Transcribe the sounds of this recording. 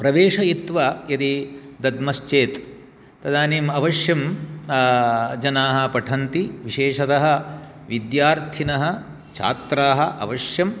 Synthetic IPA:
pɾɐʋeːʂɐit̪ʋɐjɐd̪id̪ɐd̪mɐst͡ʃeːt̪ | t̪ɐd̪aːniːmɐʋɐʃjɐm | d͡ʒɐnaːɦɐ̆pɐʈʰɐnt̪iʋiʃeːʂɐt̪ɐɦɐ̆ | ʋid̪jaːɾt̪ʰinɐɦɐ̆ | t͡ʃʰa̰ːt̪ɾaːɦɐ̆ʔɐ̰ʋɐʂjɐm

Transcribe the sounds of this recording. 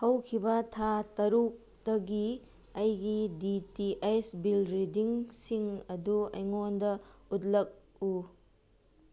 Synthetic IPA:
hɐwkʰibɐtʰatɐɾuk̚ | tɐɡi | ɐjɡiditiʔejsbilɾidiŋsiŋɐduɐ̰jŋondɐut̚lɐk̚ | u

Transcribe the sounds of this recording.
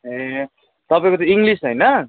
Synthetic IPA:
e | t̪ʌpaĩkot̪joiŋɡlisʌjnʌ

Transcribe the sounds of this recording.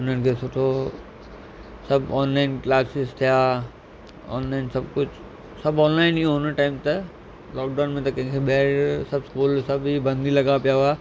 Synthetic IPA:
ʊnənkʰesʰoːʈʰo | sɐbɔːnlaːɪnklaːsɪst̪ʰija | ɔ̰ːnlaːɪnsɐb̚kʊt͡ʃʰ | sɐbɔ̃ːnlaːɪniõɦʊnəʈaːɪmt̪ɐ | lɔːk̚ɖaːnmẽt̪ɐkɐ̃ɦɪ̃kʰeɓɛːɾsɐbskuːlsɐbibɐ̃nd̪ʱilɐɡapijaʋa

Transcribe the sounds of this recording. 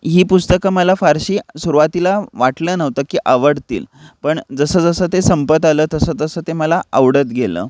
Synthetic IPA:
ɦiːpust̪əkəməlafaɾɕiːsuɾuʋat̪ilaʋaʈləːnəʋt̪əːkiːʔaʋəɽt̪ḭːlpəɳd͡zəsəːd͡zəsəːt̪esəmpət̪aləːt̪əsəːt̪əsəːt̪eməlaʔəʋɽət̪ɡʱelə̰ː

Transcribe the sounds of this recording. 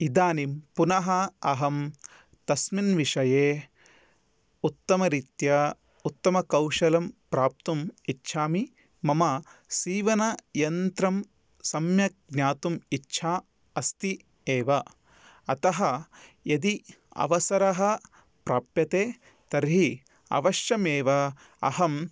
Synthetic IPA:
id̪aːnimpunɐɦɐɐɦɐm | t̪ɐsminʋiʂɐjeː | ut̪ːɐmɐɾit̪jɐ | ut̪ːɐmɐkɐwʂɐlɐmpɾaːp̚t̪umitːʃʰaːmi | mɐmɐsiːʋɐnɐjɐnt̪ɾɐm | sɐmjɐɡ̚nʲaːt̪umitːʃʰaː | ɐst̪i | eːʋɐ | ɐt̪ɐɦɐjɐd̪i | ɐ̰ʋɐsɐɾɐɦɐ | pɾaːpjɐt̪eː | t̪ɐɾɦi | ɐ̰ʋɐʃjɐmeːʋɐ | ɐɦɐm

